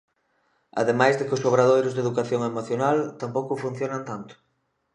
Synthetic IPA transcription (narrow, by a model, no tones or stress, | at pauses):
a̰ðemajzðekʊsoβɾaðojɾʊzðeðukaθjoŋemoθjonalt̪ampowkʊfun̟θjonant̪ant̪ʊ̥